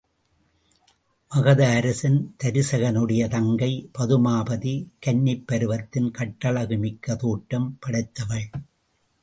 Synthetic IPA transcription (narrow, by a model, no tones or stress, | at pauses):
ʋɐɣɐðɐːɾɐsɪnt̪ɐɾɪsɐɣɐnɯɽɐjɐt̪ɐŋɡɐɪpɐðɯmaːbɐðikɐnːɪpːɐɾɯʋɐt̪ːɪnkɐʈːɐɭɐɣɯmɪkːɐt̪uːʈːɐmpɐɽɐɪt̪ːɐʋɐɭ